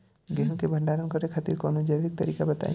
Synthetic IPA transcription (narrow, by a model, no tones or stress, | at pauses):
ɡeɦũkebʱə̃ɳɖaːɾənkəɾekʰat̪iɾkɔːnod͡ʒɐjʋik̚t̪əɾiːkabət̪a̰